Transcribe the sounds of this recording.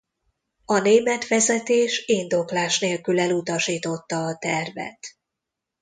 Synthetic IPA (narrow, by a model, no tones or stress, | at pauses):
ɒneːmɛt̪ʋɛzɛt̪eːʃiːnd̪o̞klaːʃneːlkylɛlut̪ɒʃiːt̪o̞t̪ːɒːt̪ɛrvɛ̰t̪